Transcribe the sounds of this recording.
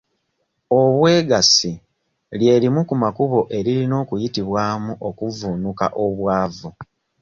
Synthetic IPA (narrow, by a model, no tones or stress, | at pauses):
o̞βwe̞ːɡasi | lje̞ːlimukumakuβo̞ʔe̞ɾiɾino̞ːkujitiβwaːmuʔo̞kuvunuka̰ʔo̞βwaːvu